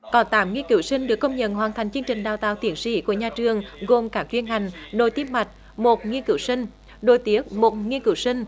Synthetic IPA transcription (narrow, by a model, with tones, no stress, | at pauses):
kɔ˨˦nt̪aː˨˦mŋi˧ənkɨ˧˦wsï˧ŋ̟ɗɨ˨˩əkːə˧wŋ͡mɲə̰˧˨nhwaː˨˩nt̪ʰa˨˩jŋ̟t͡ɕɨ˧əŋt͡ɕï˨˩ŋ̟ɗaː˨˩wt̪a̰ː˧˨wt̪i˨˦ənsḭ˧˥ku˧˩əɲaː˨˩t͡ɕɨ˨˩əŋɣo˨˩mkaː˨˦˥k̚t͡ɕwi˧ənha˨˩jŋ̟ɗo˨˩jt̪i˦əpmːa˨˩jt̟̚ | mo˨˩t̚ŋi˧ənkɨ˧˩˦wsï˧ŋ̟ | ɗo˧˩jt̪i˨˦˥ək̚mo˨˩t̚ŋi˧ənkɨ̰˧˩˦wsï˧ŋ̟